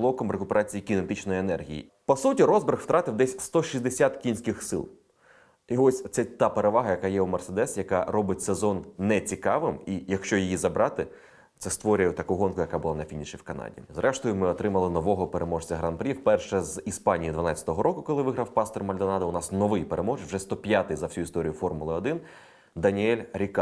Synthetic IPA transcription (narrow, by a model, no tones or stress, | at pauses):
lˠɔkɔmrekʊpeɾɑt͡sʲijikʲinet̪ɪt͡ʃnɔjienɛrɦʲḭjḭ | pɔsutʲiɾɔzbɪrxw̥t̪ɾɑt̪ɪwd̪ɛsʲst̪ɔʃʲizʲd̪esʲat̪kʲinsʲkɪxsɪ̰lˠ | iɔsʲt̪sɛt̪ɑpeɾeʋɑɦɐjɐkɑjɛumersed̪ɛsjɐkɑrɔbɪtʲsezɔnnɛt͡sʲikɑʋɪmijɐkʃt͡ʃɔjijizɐbɾʔɑt̪ɪ | t̪sɛst̪ʋɔɾʲʊjɛt̪ɐkuɦɔnkʊjɐkabʊlˠɑnɐfʲinʲiʃʲiwkɐnɑ̰dʲḭzɾʔɛʃt̪ɔjʊmɪɔt̪ɾɪmɐlˠɪnɔʋɔɦɔpeɾʔemɔʐt͡sʲɐɦɾɐnpɾʲifpɛrʃɛzispɑnʲijid̪ʋɐnɑt͡sʲɐ̥t̪ɔɦɔɾʔɔkʊkɔlˠɪʋɪɦɾɐwpɑst̪ɔrmɐlʲd̪ɔnɑd̪ɐʊnɑsnɔʋɪjpeɾʔemɔʒʋʐɛst̪ɔpʲjat̪ɪjzɐwsʲuist̪ɔɾʲijʊfɔrmʊlˠɪɔd̪ɪn | d̪ɐnʲiɛlʲɾʲikɑ